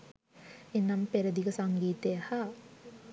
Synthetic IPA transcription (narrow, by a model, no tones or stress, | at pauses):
enːampeɾəd̪ikəsaŋɡiːt̪ejəha